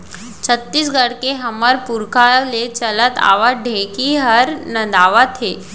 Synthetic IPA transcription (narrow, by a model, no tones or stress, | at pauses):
t͡ʃʰət̪ːisɡəɽkeɦəməɾpuɾkʰalet͡ʃələt̪a̰ːʋəɖʱekiɦəɾnəd̪aːʋət̪ʰe